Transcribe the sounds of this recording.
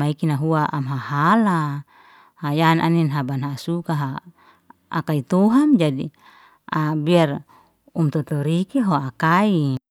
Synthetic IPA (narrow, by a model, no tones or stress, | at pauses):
aikinaɦuaʔamɦahala | hajanʔa̰ninɦabanɦasukaɦa | a̰kait̪uɦamd͡ʒadi | abiar | umt̪ɔt̪ɔɾikeɦoakai